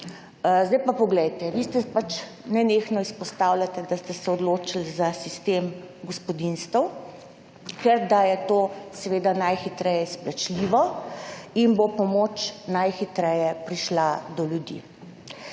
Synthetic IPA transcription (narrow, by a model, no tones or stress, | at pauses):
zd̪ajpapɔɡlɛjt̪ɛʋist̪ɛpat͡ʃ | nɛnexnɔispɔst̪awlʲat̪ɛd̪ast̪ɛsɛɔd̪loːt͡ʃilzasist̪em | ɡɔspɔd̪inst̪əw | kɛɾd̪ajɛt̪oːsɛʋeːd̪anajxit̪ɾɛjɛsplat͡ʃliʋɔ | inbopɔmot͡ʃnajxit̪ɾɛjɛpɾiʃlad̪ɔljud̪ḭ